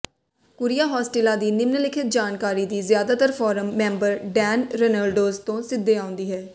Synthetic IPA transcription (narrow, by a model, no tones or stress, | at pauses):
kʊɾijaːɦɔːsʈɪːlaːd̪iːnɪmnəlɪkʰɪt̪̚d͡ʒaːnkaːɾiːd̪iːzjaːd̪aːt̪əɾpʰɔːɾəmːɛ̃ːmbəɾɖɛːnɾənaːlɖoːzt̪õːsɪd̪ːeːãʊ̃nd̪iːɦɛː